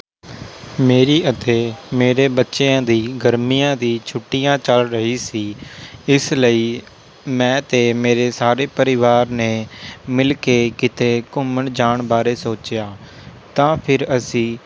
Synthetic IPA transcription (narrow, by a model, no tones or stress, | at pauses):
meːɾiːʔət̪eːmeːɾeːbətːʃeːãːd̪iːɡəɾmiːjãːd̪iːt͡ʃʰʊʈːijãːt͡ʃəlɾəɦiːsiːɪsləiː | mɛ̃ːt̪eːmeːɾeːsaːɾeːpəɾɪʋaːɾneːmɪlkeːkɪt̪eːkʊməɳd͡ʒaːɳbaːɾeːsoːt͡ʃɪjaː | t̪ãːpʰɪɾəsĩː